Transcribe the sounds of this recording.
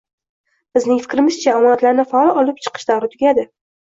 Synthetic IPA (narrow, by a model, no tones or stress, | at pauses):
b̥ɪznɪŋfɪkʲɾɪmɪzt͡ʃʰaːmɒnat̪laɾnɪfaɒlˠɒlˠɪp̚t͡ʃʰɨ̥qʰɨ̥ʃd̪awɾɪt̪ʰʊɡʲad̪ɪ